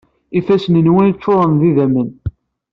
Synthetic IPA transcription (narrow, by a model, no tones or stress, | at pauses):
ifæsənənwænət͡sːoɾˤənðiðæmən